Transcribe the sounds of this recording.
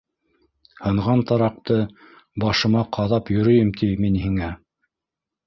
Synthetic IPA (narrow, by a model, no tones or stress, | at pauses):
hɤ̆ɴʁɑnt̪ɑɾɑq̚t̪ɤ | bɑʃɤ̆mɑqʰɑðɑpjɵ̆ɾɵ̆jɘmt̪ʰiminhiŋæ